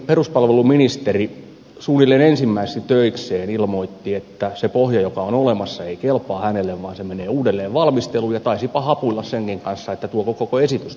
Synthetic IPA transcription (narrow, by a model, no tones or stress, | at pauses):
peruspɑlʋeluminist̪eri | suːnːilːeːnensimːæisest̪it̪øikseːnilmoit̪ːiet̪ːæsepohjɑjokɑonolemɑsːɑeikelpɑːhænelːeʋʋɑːnsemeneːuːdelːeːʋʋɑlmist̪elujɑt̪ɑisipɑhɑpuilːɑsseŋkiŋkɑnsːɑet̪ːæt̪uokokokoesit̪ys